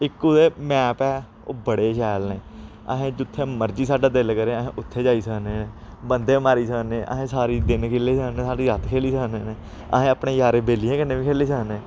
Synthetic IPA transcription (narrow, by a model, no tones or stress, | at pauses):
ɪkːuːd̪eːmɛːpɛː | o̰ːbəɽeːʃɛːlneː | ə̰ɦẽːd͡ʒʊt̪ʰːeːməɾd͡ʒiːsaːɖaːd̪ɪlkəɾeːəɦẽːʔʊt̪ʰːeːd͡ʒaːiːsəneː | bənd̪eːmaːɾiːsəːneːʔə̰ɦẽːsaːɾiːd̪ɪnkʰeːleːsəːnẽːsaːɖiːɾət̪kʰeːliːsəːneː | ə̰ɦẽːaːpɳeːjaːɾeːbeːlijãːkɪnːeːʋiːkʰeːliːsəkneː